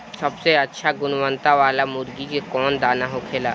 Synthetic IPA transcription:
səbseətːʃʰaɡʊnʋə̃nt̪aʋaːlamʊɾɡikekɔːnd̪aːnaɦokʰeːlaː

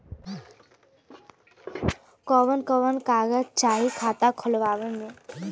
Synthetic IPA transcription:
kɔʋənkɔʋənkaːɡəd͡ʒt͡ʃaːɦikʰaːt̪akʰɔlʋaːʋənmẽ

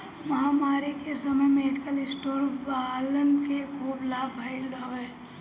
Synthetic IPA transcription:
mɐɦaːmaːɾikesəməjmẽeʈkəlɪsʈoːɾbaːlənkekʰuːblaːbʱaːɪlɖaʋɛː

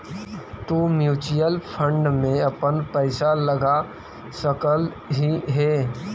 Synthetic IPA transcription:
tumjuːt͡ʃijəlpʰə̃ɳɖmẽɐpənpəɪsaləɡa | səkəl | ɦiɦɛː

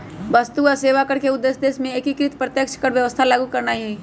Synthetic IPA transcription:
ʋəst̪uɔɾseːʋakəɾkeʊd̪ːeːsd̪eːsmẽeːkikɾɪt̪pɾət̪jəkʃkəɾʋjəʋəst̪ʰalaːɡukəɾnaːiɦɛi

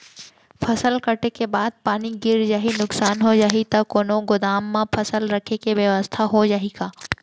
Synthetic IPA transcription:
pʰɐsəlkəʈekebaːd̪̚paːniɡɪɾd͡ʒaːɦinʊksaːnɦod͡ʒaːɦit̪akoːnõɡʊd̪aːmːãpʰɐsəlɾɐkʰekeʋjəʋəst̪ʰaɦod͡ʒaːɦiɡaː

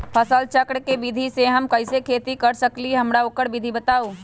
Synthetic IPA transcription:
pʰəsəlt͡ʃəkɽkebid̪ʱiseɦəmkəɪsekʰet̪ikəɾsəkliɦəmɾaoːkəɾbid̪ʱibət̪aːu

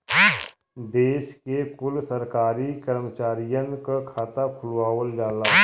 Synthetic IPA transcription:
d̪eːʃkekʊlsəɾkaːɾikəɾmət͡ʃaːɾijənkakʰaːt̪akʰʊlwaːʋəld͡ʒaːlaː

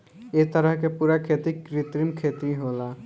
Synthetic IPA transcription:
et̪əɾəɦkepuːɾakʰeːt̪ikɾɪt̪ɾimkʰeːt̪iɦoːlaː

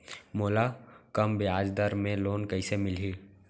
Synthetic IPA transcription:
moːlakəmbeaːd͡ʒd̪əɾmẽloːnkəisemɪlɦiː

